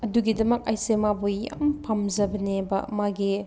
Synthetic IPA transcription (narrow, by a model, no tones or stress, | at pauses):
ɐduɡidɐmɐk̚ajsemabojːa̰mpʰamzɐbɐnebɐmaɡi